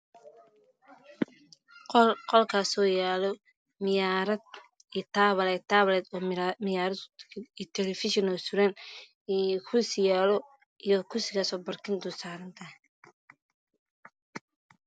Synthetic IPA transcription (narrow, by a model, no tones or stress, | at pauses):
qɔlkʰaːsɔjaːlɔ | mɪjaɾɐd̪ | it̪ʰaːβɐlɛːt̪ʰaːβlɛːd̪ɔːmɪjaːɾɐd̪it̪ʰɛlɛfɪʃɔnɔsʊɾɐn | kʰʊsɪjaːlɔ | ijɔkʰʊsɪɣaːsɔːbɐrkʰɪnd̪ʊsaːɾɐnt̪ʰɐɦɛ